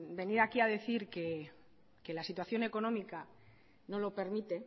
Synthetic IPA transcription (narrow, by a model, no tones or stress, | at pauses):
be̞niɾakiað̞e̞θiɾke̞ | ke̞lasit̪waθjo̞ne̞ko̞nõ̞mika | no̞lo̞pe̞ɾmit̪e̞